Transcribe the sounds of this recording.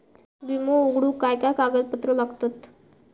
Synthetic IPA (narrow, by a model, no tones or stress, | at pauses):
ʋimooɡɽuːkajkakaɡəd̪̚pət̪ɾəlaɡt̪at̪